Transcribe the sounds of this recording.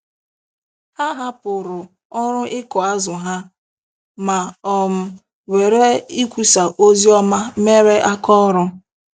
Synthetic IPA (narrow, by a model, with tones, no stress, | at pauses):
ha˦ɦa˦pʊ˨ɾʊ˨ | ɔ˦ɾʊ˦ʔɪ˦kɔ˨a˦zʊ˨ɦa˦ | ma˨ɔ˨m̩˨ | we˨ɾe˦i˦kʷu˦sa˨ʔo˦zi˦ɔ˦ma˦me˦ɾe˦ʔa˦kɔ˦ɔ˦ɾʊ˦